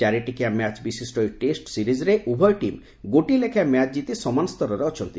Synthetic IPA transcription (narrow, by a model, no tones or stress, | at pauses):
aɾeʈikiamat͡ʃbisisʈɔjʈesʈsiɾizɾeʔubʱɔjʈim | ɡoʈilekʰamat͡ʃd͡ʒit̪isɔmanɔst̪ɔɾɔɾeɔt͡ʃʰɔnt̪i